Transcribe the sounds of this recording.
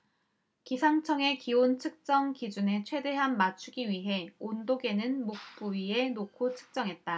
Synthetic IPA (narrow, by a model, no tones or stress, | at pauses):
kisʰaŋt͡ɕʰʌŋe̞kiontʰɯk̚t͡ɕ͈ʌŋkid͡ʑune̞t͡ɕʰwe̞de̞ɦanmat͡ɕʰuɡiɥiɦe̞ondoɡe̞nɯnmok̚p͈uie̞nokʰotʰɯ̥k̚t͡ɕ͈ʌŋɦe̞t̚t͈a